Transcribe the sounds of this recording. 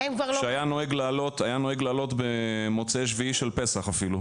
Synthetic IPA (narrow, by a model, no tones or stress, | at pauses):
emkvaʁlʃeajanoeɡlaːlo̞t̪ajanoeɡlaːlo̞t̪bemo̞t͡seʃviiʃelpesaχafilu